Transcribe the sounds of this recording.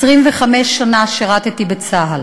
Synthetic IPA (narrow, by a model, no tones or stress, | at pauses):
sʁimveχameʃːanaʃeʁat̪et̪ibet͡saɦal